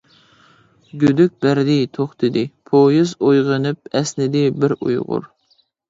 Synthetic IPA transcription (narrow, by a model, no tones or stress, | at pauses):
ɡʲød̪yk̚ʲbæɾd̪ɪt̪ʰoχt̪ʰɨd̪ɪpʰojɨzojʁənɨp̚ɛsnɪd̪ɪbɪɾṵjʁʊ̰ɾ